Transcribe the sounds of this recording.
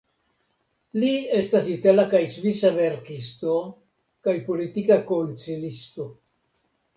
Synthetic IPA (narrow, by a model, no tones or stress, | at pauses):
lie̞stasit̪alakajsvisaveɾkisto̞ | kajpo̞lit̪ikako̞nt͡silist̪o̞